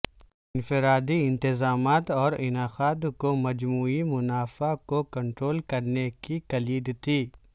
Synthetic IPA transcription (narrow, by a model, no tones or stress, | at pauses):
ɪnfɪɾaːd̪iɪ̃nt̪ɪzaːmaːt̪ɔːɾɪnaːxaːt̪komɐd͡ʒmuːimʊnaːfakokɐ̃ɳʈɾoːlkɐɾnekikɐliːd̪t̪ʰiː